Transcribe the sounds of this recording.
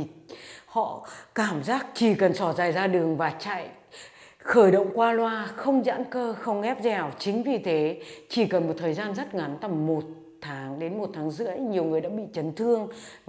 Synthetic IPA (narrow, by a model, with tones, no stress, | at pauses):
hɔ̰˧˨kaː˧˩mzaː˦˥k̚t͡ɕi˧˩kə˨˩nsɔ˧˩zaː˨˩jzaː˧ɗɨ˨˩əŋvaː˨˩t͡ɕa̰ː˧˨j | xəː˧˩jɗə̰˧˨wŋ͡mkwaː˧lwaː˧xə˧wŋ͡mza̰˧˥nkəː˧xə˧wŋ͡mŋɛ˦˥p̚zɛ˨˩wt͡ɕï˨˦ŋ̟vi˨˩t̪ʰe˨˦t͡ɕi˧˩kə˨˩nmo˨˩t̚t̪ʰəː˨˩jzaː˧nzə˦˥t̚ŋa˨˦nt̪ə˧˩mːo˨˩t̚ | t̪ʰaː˨˦ŋɗe˨˦nmo˨˩t̚t̪ʰaː˨˦ŋzɨ̰˧˥əjɲi˨˩əwŋɨ˨˩əjɗa̰ː˧˥ɓḭ˧˨t͡ɕə˨˦nt̪ʰɨ˧əŋv